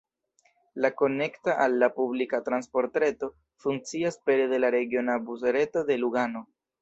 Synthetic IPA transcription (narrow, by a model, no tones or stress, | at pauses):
lako̞ne̞ktaʔalːapublikatɾanspo̞ɾtɾe̞to̞ | fuŋk̚t͡siaspe̞ɾede̞laɾe̞ɡio̞nabus̬eɾe̞to̞de̞luɡano̞